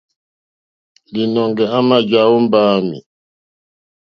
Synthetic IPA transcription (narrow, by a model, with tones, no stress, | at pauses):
li˨nɔ˨ŋɡɛ˨a˦ma˦d͡ʒa˨˦wu˦mbaː˦mḭ˨